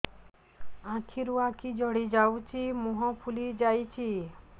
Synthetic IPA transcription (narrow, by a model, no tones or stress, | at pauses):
ãkʰiɾuãkʰid͡ʒɔɽid͡ʒawt͡ʃʰimuɦɔ̃pʰulid͡ʒajt͡ʃʰi